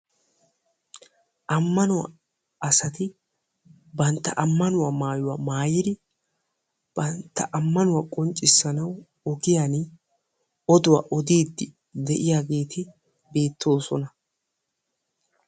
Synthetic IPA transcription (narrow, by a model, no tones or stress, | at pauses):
ʔɐmːɐnʊwɐ̰ | ɐsɐt̪ɪ | bɐnt̪ːɐ̰ʔɐmːɐnʊwɐmaːjʊwɐmaːjɪd̪ɪ | b̥ɐnt̪ːɐʔɐmːɐnʊwɐkʼɔnt͡ʃʼːɪsːɐnɐw | ɔɡɪjan | ɔd̪ʊwɐ̰ʔɔd̪iːd̪ːɪ | d̪ɛʔɪjaːɡe̞ːt̪ʰɪ | be̞ːt̪ʰːo̞ːsɔnɐ